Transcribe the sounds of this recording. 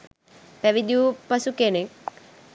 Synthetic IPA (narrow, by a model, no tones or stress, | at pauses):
pæʋid̪iupasukenek